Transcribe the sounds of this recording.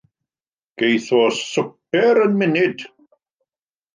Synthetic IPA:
ɡ̥ejθɔsəp̚ɛɾənmɪnɪd̥

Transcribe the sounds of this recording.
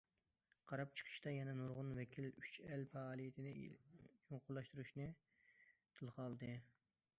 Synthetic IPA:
qʰɑɾɑp̚t͡ʃʰə̥qʰə̥ʃt̪ɑjɛnɛnoɾʁʊnwɛkʲʰilyt͡ʃɛlpʰɑːlˠijit̪ʰɪnɪjoŋqʊlˠːɑʃt̪uɾuʃnɨ | t̪ʰɨlˠqɑlˠd̪ɨ

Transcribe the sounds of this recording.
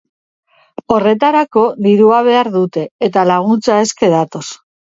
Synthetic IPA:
o̞re̞t̪aɾako̞d̪iɾuaβ̞e̞aɾðut̪e̞ːt̪alaɣ̞unt͡sae̞ske̞ð̞at̪o̞s

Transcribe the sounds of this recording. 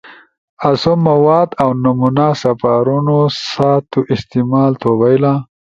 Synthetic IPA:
asomːawɑd̪awnamunasafaɾunosat̪oʔɪst̪ɪmɑlt̪ʰobajla

